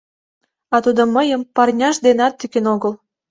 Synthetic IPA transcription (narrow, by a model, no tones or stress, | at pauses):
ɑt̪ud̪ŏməjəmpɑrnʲɑʃd̪enɑt̪ːykenoɣəl